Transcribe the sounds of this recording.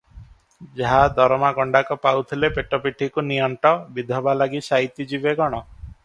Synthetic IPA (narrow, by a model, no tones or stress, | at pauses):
d͡ʒaɦad̪ɔɾɔmaɡɔɳɖakɔpawt̪ʰilepeʈɔpiʈʰikunijɔɳʈɔbid̪ʱɔbalaɡisaɦit̪id͡ʒibeɡɔɽ̃ɔ